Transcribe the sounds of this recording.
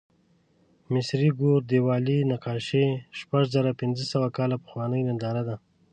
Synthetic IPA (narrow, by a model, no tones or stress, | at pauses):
mɪsɾiɡoɾd̪ewɑːlinaqɑːʃeʃpaʒzaɾapɪnzəsawakɑlapə̥xwɑːnəjnand̪ɑɾad̪a